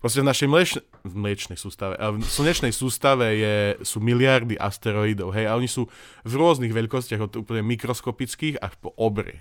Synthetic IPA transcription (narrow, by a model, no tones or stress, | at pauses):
pɾɔs̬cɛvnaʃɛjmlɛt͡ʃ | vmlɪɛt͡ʃnɛjsuːst̪aʋɛ̰ʔasl̩ɲɛt͡ʃnɛjsuːst̪aʋɛjɛsuːmilɪaɾd̪iʔa̰st̪ɛɾɔid̪ɔʊɦɛjaɔɲisuːvɾʊɔzniɣʋɛʎkɔscɪaɣɔt̪uːpl̩ɲɛmikɾɔskɔpit͡skiːxa̰ʃpɔʔɔbɾɛ̰